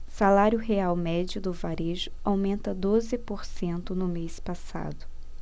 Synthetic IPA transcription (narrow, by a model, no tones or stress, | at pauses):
salaɾjʊɦeawmɛd͡ʒʊd̪ʊvaɾeʒʊawmẽnt̪ɐd̪ozɪpoɾsẽnt̪ʊnʊmespasa̰d̪ʊ